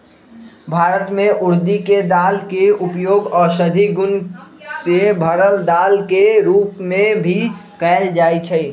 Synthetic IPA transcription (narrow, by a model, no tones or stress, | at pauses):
bʱaːɾət̪mẽʔʊɾd̪iked̪aːlkeʊpjoːɡɔːɾsəd̪ʱiɡʊnsebʱəɾəld̪aːlkeɾuːpmẽbʱikɛːld͡ʒaːit͡ʃʰɛ